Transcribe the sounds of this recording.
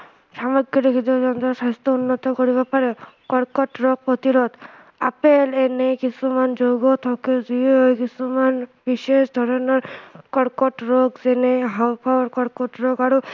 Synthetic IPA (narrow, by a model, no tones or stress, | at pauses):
samɔɡːɔɾekʰid͡ʒɔzɔnt̪ɔsast̪ɔunːɔt̪ɔkoɹiβɔpaɹɛkɔɽkɔʈɹok̚pot̪iɾɔt̪ | apelenekisumand͡ʒoɡɔt̪ʰɔkezieɦojkisumanbisesd̪ʱɔɹɔnɔɹkɔɽkɔʈɹokzɛneɦawpʰaɔɹkɔɽkɔʈɹokaɹu